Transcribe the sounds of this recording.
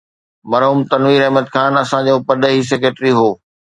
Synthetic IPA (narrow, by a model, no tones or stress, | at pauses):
mɐɾɦuːmt̪ɐnʋiːɾɐɦməd̪xʰaːnɐsãd͡ʑoːpɐɗəɦis̬ek̬eːʈɾiɦoː